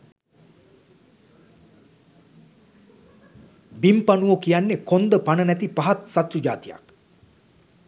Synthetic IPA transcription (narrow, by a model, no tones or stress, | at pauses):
bimpanuʋokijanːekond̪əpanənæt̪ipaɦat̪sat̪ɾud͡ʒaːt̪ija̰k̚